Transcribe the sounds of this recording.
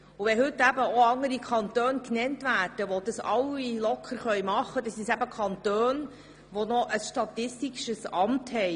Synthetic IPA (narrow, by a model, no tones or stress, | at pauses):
ʊʋɛhɵtːæbəoɑŋəɾikʰɑntøːnknɛntvæːrd̥əʋod̥̪ɑsɑwilɔkʰχəɾχœʏmɑχːədɑsisæbəkʰɑnt̪øːn | ʋonɔʔəsʃtɑt̪ɪstiʃəsɑmthɛɪ